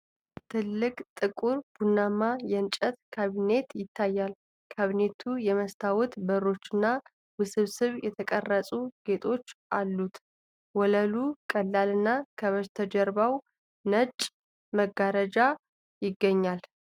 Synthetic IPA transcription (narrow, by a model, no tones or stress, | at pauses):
t̪ʰɨlːɨkʼt̪ʼɨkʼuɾb̥unːamajɛnt͡ʃʼət̪kʰaβine̞t̪jɪt̪ʰːajːal | kʰaβine̞t̪ʰujɛməst̪ʰawɔt̪bərːo̞t͡ʃːɪnːa | wɨsɨβsɨβjɛt̪ʰəkʼərːəsʼuɡ̥e̞t̪ʼʰo̞t͡ʃːalːut̪ | wɔləlukʼəlːalɨnːakʰəβəzt̪ʰəd͡ʒɛɾbaw | nət͡ʃʼ | məɡaɾəd͡ʒa | jɪɡːəɲːal